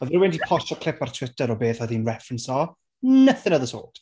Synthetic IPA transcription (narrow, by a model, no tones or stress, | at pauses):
ɔðɾəwɪndipʰɔʃɔkʰl̥ˠɪpartʰw̥ɪtʰəɾɔbeːθɔðinrɛfrənsɔ | nəθənəðəso̰ːt